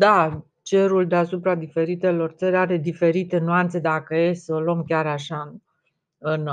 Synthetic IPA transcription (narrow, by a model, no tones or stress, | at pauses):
d̪a | t͡ʃe̞ɾuld̪easupɾad̪ife̞ɾit̪e̞lo̞rt̪səɾʲaɾe̞d̪ife̞ɾit̪e̞nuant̪se̞d̪akəje̞olomkʲaɾaʃa | ɨn